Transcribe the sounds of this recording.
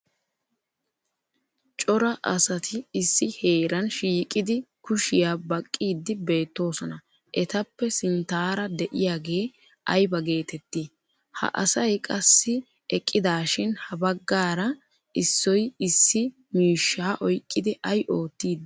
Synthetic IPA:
t͡ʃʼɔɾɐʔɐsɐt̪ʰɪɪsːɪhe̞ːɾɐnʃiːkʼɪd̪ɪkʊʃɪjaːbɐkʼːiːd̪ːɪbe̞ːt̪ːo̞ːsɔnɐ | ʔɛt̪ɐpːɛsɪnt̪aːɾɐd̪ɛʔɪjaːɡe̞ː | ʔɐjbɐɡe̞ːt̪ɛt̪ːi | hɐ̰ʔɐ̰sɐjkʼɐsːɪ | ɛkʼːɪd̪aːʃɪnhɐbɐɡːaːɾɐ | ʔɪsːɔjɪsːɪ | miːʃːaːʔɔjkʼːɪd̪ɪʔɐjʔo̞ːt̪ːiːd̪

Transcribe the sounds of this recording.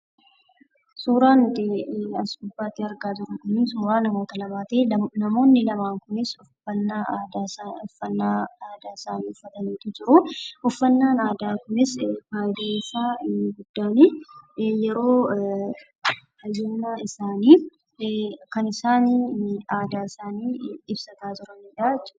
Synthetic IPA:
suːɾaːnʊt̪ɪɐsʊbːaːt̪ːɪɐɾɡaːd͡ʒɪɾʊk̪ʊniːsuːɾaːnɐmo̞ːt̪ɐlɐmaːt̪eːnɐmo̞ːnːɪlɐmaːŋkʊnɪsʊfɐnːaːaːd̪aːaɔfːɐnːaːaːd̪aːɪsaːniːʊfːɐt̪ɐniːt̪ɪd͡ʒɪɾʊʊfːɐnːaːnaːd̪aːkʊnɪsbaːjd̪esaːɡʊd̪ːaːni | jɛɾo̞ː | hɐjunːaɪsaːniː | kɐnɪsaːnaːd̪aːɪsaːniːɪbsɐt̪aːd͡ʒɪɾɐniːᶑaːɛt͡ʃːʊ

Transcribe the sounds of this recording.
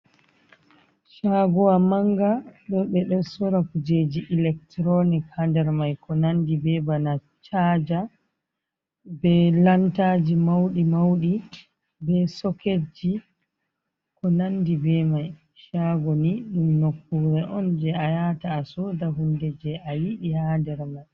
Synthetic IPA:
ʃaɡɔwamaŋɡaɗɔɓɛɗɔnsɔɾakud͡ʒed͡ʒiʔilɛktɾɔnikhandɛɾmajkɔnandibɛbana | t͡ʃad͡ʒa | bɛlantaːd͡ʒimawɗimawɗi | bɛsɔked͡ʒi | kɔnandibɛmaj | ʃaɡɔniɗumnokːuɾɛʔɔnd͡ʒɛajataːsɔːdaɦundɛd͡ʒɛʔajiɗihadɛɾmaj

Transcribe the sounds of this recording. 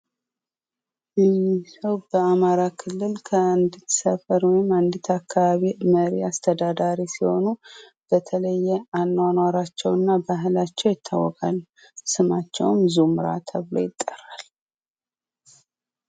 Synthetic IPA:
ɨjɪsəwb̥əamaɾakʰɨlːɨlkʰəɨnd̪it̪səfəɾwɔjɪmand̪it̪ʰakːaβaβiməɾiast̪ʰəd̪ad̪aɾisiho̞nu | b̥ət̪ʰələjːɛanːwanwaɾat͡ʃːɛwɨnːabaɦlat͡ʃːɛwjɪt̪ʰːawːɔkʼal | sɨmat͡ʃːɛ̰wmzumɨɾa̰t̪ʰəβlo̞̰jɪt̪ʼːərːal

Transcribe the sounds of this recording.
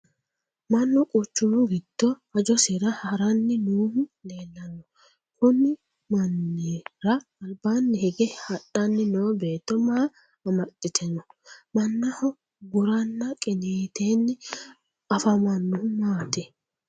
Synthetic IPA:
mɐnːɔkʼʊt͡ʃːuːɡɪd̪̥ːɔ | ɐd͡ʒɔsɪɾɐhɐɾɐnːɪnuːhʊle̞ːlːɐnːɔ | kʊnɪ | mɐnːiɾɐːlbaːnːɪhɛɡɛhɐɗɐnːɪnoːbe̞ːt̪ːɔmaː | ɐmɐtʼːɪt̪ʰɛnɔmɐnːɐhɔ | ɡʊɾɐnːɐkʼɪneːt̪ʰeːnːɪ | ɐfɐmɐnːʊʊmaːt̪ɛ

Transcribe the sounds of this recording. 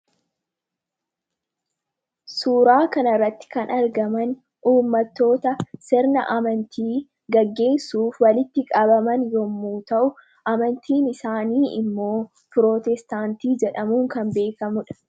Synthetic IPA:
suːɾaːkɐnɐrːɐt̪ːɪ̥kɐnɐɾɡɐmɐn | ʔuːmːɐt̪ːo̞ːt̪ɐsɪɾnɐʔɐmɐnt̪ʰiː | ɡɐɡːe̞ːnsuːfwɐlɪt̪ːɪkʼɐbɐmɐnjɔmːuːt̪ɐʔʊ | ʔɐmɐnt̪ʰiːnɪsaːniːɪ̰mːo̞ː | pɾoːt̪ɛst̪aːnt̪iːd͡ʒɛᶑɐmuːŋkɐmbe̞ːkɐmʊᶑɐ̥

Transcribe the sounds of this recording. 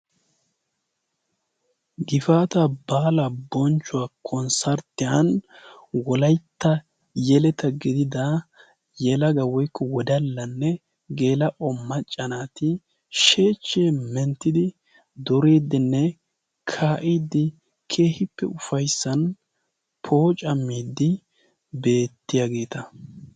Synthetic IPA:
ɡɪfaːt̪ɐbaːlɐbɔnt͡ʃːʊwaːkʰɔnsɐɾt̪ːɪjɐn | wɔlɐjt̪ːɐ | jɛlɛt̪ɐɡɪd̪ɪd̪ɐ | jɛlɐɡɐwɔjkːɔwɔd̪ɐlːɐnːɛ | ɡe̞ːlɐʔɔmːɐt͡ʃʼːɐnaːt̪ɪ | ʃe̞ːt͡ʃːeːmɛnt̪ːɪd̪ɪ | d̪ɔɾeːd̪ɪnːɛ | kʰaːʔid̪ːɪ | kʰe̞ːhɪpːɛ̰ʊfɐjsːɐn | pʰo̞ːt͡ʃʼɐmːiːd̪ːɪ | be̞ːt̪ːɪjaɡe̞ːt̪ɐ

